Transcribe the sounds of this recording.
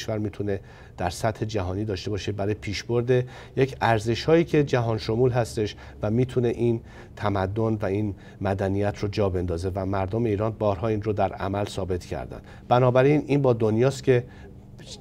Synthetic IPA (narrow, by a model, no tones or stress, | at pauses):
ʃvæɾmiːt̪ʰune̞ | d̪̥æɾsæt̪he̞d͡ʒæɦɒːniːd̪ɒːʃt̪e̞bɒːʃebæɾɒːjepʰiːʃbo̞ɾd̪e | jecʰæɾze̞ʃhɒːiːcʰe̞d͡ʒæɦɒːnʃo̞muːlɦæst̪e̞ʃ | væmiːt̪ʰune̞ʔin | t̪ʰæmæd̪ːonvæiːn | mæd̪ænijæt̪ʰɾod͡ʒɒːbe̞nd̪ɒːze̞væmæɾd̪ome̞iːɾɒːnbɒːɾɦɒːiːnrod̪æɾæ̰mælsɒːbe̞t̪ʰcʰæ̰ɾd̪æ̰nd̪ | bænɒːbæɾininbɒːd̪o̞njɒːst̪cʰe̞